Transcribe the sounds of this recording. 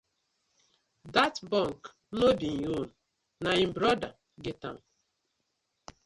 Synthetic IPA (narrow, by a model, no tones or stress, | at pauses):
datbɔ̃ŋk | nodinon | naim̩bɾɔda̰ | ɡɪtã̰m